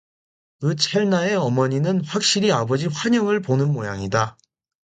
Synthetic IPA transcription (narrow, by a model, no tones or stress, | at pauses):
ɯt͡ɕʰeɭnae̞ʌmʌɲinɯnɸwak̚ɕ͈iɾiabʌd͡ʑiɸwaɲʌŋɯɭponɯnmojaŋida